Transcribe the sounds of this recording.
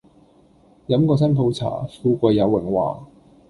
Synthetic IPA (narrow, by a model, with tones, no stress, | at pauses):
jɐ˨˥mkɔː˧s̬ɐ˥npʰo˨˧wt͡sʰa̰ː˨˩fuː˧kʷɐ˧jːɐ˨˧wːɪ˨˩ŋwa̰ː˨˩